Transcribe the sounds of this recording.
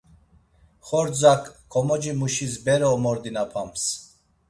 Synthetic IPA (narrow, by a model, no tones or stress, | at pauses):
χɔɾd͡zakːʰɔmɔd͡ʒimuʃisbɛɾɔːmɔɾd̪inapʰams